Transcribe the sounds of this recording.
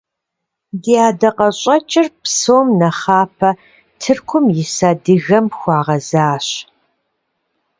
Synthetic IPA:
diaːdɐqɐɕʼɐt͡ʃʼɪrpsoːmnɐχaːpʰɐ | tʰɨrkʷʰʊmjɪsaːdɨɣɐmxʷɑːʁɐzaːɕ

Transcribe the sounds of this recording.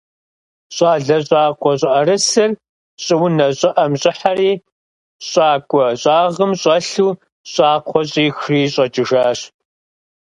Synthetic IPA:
ɕʼaːɮɐɕʼaːqʷʰɔɕʼɪʔɐɾɨsɨr | ɕʼɪwnɐɕʼɪʔɐmɕʼɪħaɾiː | ɕʼaːkʷʼɔɕʼaːʁəmɕʼɐɬuː | ɕʼaːqʷʰɔɕʼiːxriːɕʼɐt͡ʃʼɪʒaːɕ

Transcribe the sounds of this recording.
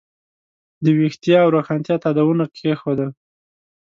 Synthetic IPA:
d̪əwixt̪ijɑːwɾaxɑnt̪jɑt̪ɑd̪awunakʰexod̪əl

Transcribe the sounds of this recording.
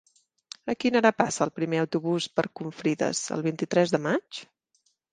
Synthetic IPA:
əkinəɾapasəːlˠpɾimeəwt̪uβuspəɾkuɱfɾiðə̰zə̰lˠβ̞int̪it̪ɾɛzðəmat͡ʃ

